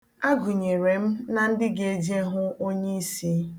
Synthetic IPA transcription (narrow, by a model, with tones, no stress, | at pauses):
a˦ɡʊ˨ɲe˨ɾe˨m̩˦na˨n̩˦dɪ˦ɡe˨˦d͡ʒe˦ɦʊ˦ʔo˦ɲe˦i˦si˦